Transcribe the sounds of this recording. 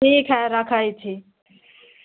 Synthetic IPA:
ʈʰiːkʰɦɛɾəkʰajt͡ʃʰi

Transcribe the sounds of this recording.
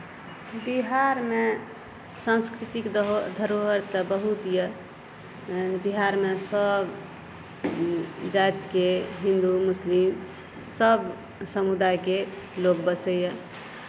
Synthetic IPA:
biɦaɾme | sãnskɾit̪ikd̪ʱəɾoɦəɾt̪əbəɦut̪jə | biɦaɾmesəb | d͡ʒajt̪keɦĩnd̪umuslim | səb | səmud̪ajke | lokbəsəjɛ

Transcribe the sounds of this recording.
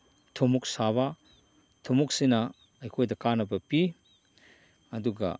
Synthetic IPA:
tʰumuk̚saβɐ | tʰumuk̚sinɐ | ɐjkʰojdɐkanɐbɐpi | ɐduɡɐ̰

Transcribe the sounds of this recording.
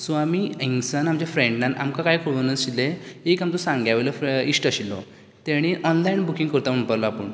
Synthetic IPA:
samiːiŋɡsanamt͡ɕjafɾẽɳɖnaa̰mkakaikʰoɭunəɕileekamt̪osãŋɡjaʋələfisʈaɕilːɔ̰ | t̪ɛɽ̃iʔɔnlajnbukiŋɡkəɾt̪am̤əɳpəɾlɔapəɳ

